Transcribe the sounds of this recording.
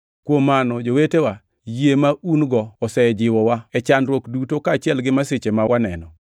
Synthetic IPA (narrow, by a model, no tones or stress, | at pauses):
kwomːanɔd͡ʒowetewa | jemaʔunɡɔːsɛd͡ʒɪwɔwaɛt͡ʃandɾwokdutokaːt͡ʃɪɛlɡɪmaset͡ʃemawanɛnɔ